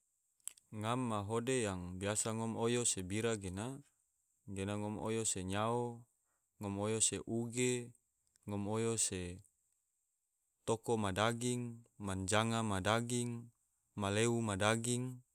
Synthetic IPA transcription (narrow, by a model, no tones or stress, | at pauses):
ŋamːaɦodejaŋbiasaŋɔmojosebiɾaɡena | ɡenaŋɔmo̰joseɲao | ŋɔmojoseʔuɡe | ŋɔmojose | t̪okomadaɡiŋmand͡ʒaŋamadaɡiŋ | maleumadaɡiŋ